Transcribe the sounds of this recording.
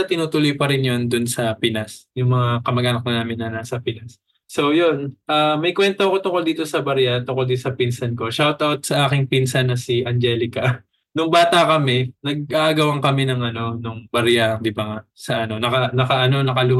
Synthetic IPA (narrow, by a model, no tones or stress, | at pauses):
ɐt̪ɪnuːt̪ʊlojpɐɾɪnjond̪ʊnsɐpɪnasjʊŋmɐŋakɐmɐɡʔaːnɐk̚kɐnaːmɪnːɐnasɐpɪnasː | o̞jo̞nʔaːmɐjkwɛnt̪oɐko̞t̪ʊŋkold̪iːt̪o̞sɐbɐɾjat̪ʊŋkold̪isɐpinsɐnko̞ʃawt̪ʔawt̪̚sɐʔaːkɪŋpinsɐnːɐsiʔɐnd͡ʒɛːlɪkɐ | nʊŋbaːt̪ɐkɐmɛnɐɡ̚ʔaʔɐɡɐwɐŋkɐmɛnɐŋʔɐno̞nʊŋbɐɾjaɐŋd̪ɪbaŋasɐʔɐno̞nɐkɐnɐkɐʔɐno̞nɐkɐlʊ